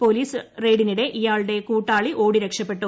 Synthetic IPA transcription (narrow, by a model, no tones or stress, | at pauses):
po̞ːliːsɨre̞ːɽiniɽe̞ʔijaːɭɨɽe̞kuːʈːaːɭiʔo̞ːɽiɾekʂɐpːe̞ʈːu